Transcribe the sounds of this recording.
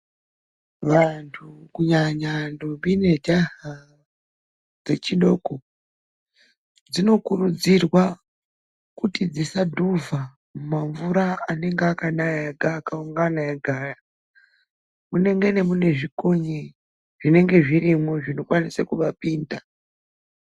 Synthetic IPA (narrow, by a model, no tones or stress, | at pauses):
ʋantʰukuɲaɲandombine̞dʱaɦa | d͡ze̞t͡ʃiɗo̞ko | d͡zino̞kurud͡zirwa | kutid͡zisadʱuva | mumaɱvuɾaːne̞ŋɡeakanajaaɡʱaːkauŋɡanajaɡʱaːra | mune̞ŋɡene̞mune̞ʐikoɲi | ʐ̥ine̞ŋɡe̞ʐirimoʐino̞kwanisakuʋapiːnda